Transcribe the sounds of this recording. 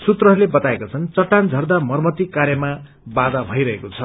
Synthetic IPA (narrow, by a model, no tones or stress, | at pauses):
sut̪rʌɦlebʌt̪aekat͡sʰʌnt͡sʌʈːand͡zʱʌrd̪amʌrmʌt̪ikarjʌma | bad̪abʱʌjɾʌɦekot͡sʰʌ